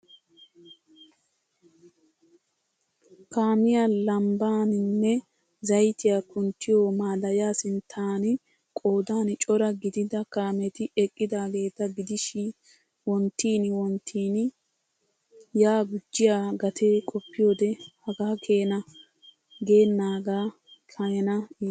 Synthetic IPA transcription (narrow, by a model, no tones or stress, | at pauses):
kaːmɪjalɐmbaːnɪnːɛ | zɐjt̪ɪjaːkʊnt̪ːɪjoːmaːd̪ɐjaːsɪnt̪ʰːaːn | kʼo̞ːd̪aːnt͡ʃʼɔɾɐɡɪd̪ɪd̪ɐkaːmɛt̪ɪɛkʼːɪd̪aːɡe̞ːt̪ːɐɡɪd̪ɪʃɪ | wɔnt̪ːiːnwɔnt̪ʰiːn | jaːɡʊd͡ʒːɪjaːɡɐt̪ʰeːkʼɔpːɪjo̞ːd̪ɛhɐɡaːkʰe̞ːnɐ | ɡe̞ːnːaːɡaː | kʰɐjɛnɐ